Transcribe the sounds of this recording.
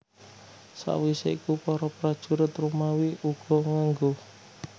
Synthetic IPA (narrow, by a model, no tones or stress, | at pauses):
sa̰ʔwiseikupɔɾɔpɾad̥ʒ̥ṳɾət̪rumawiuɡ̥ɔ̤ŋaŋɡo